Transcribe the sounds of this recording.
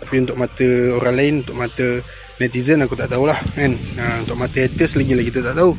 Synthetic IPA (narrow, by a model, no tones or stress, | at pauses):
apiunt̪ʊk̚mat̪əoɾaŋlaɪnunt̪ʊʔ̚mat̪ə | nɛt̪izənakut̪aʔt̪aulahmɛnəunt̪ʊʔ̚mat̪əɛt̪əslaɡilahkit̪ət̪aʔt̪au